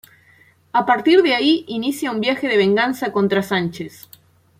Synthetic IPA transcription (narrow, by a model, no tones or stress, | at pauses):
apaɾt̪iɾðeaiinisjaumbjaxeð̞eβẽ̞ŋɡansakõ̞nt̪ɾasant͡ʃes